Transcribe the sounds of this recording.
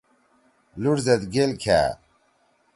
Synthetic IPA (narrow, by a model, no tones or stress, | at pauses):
luɽzɐd̪ɡelkʰa̰ː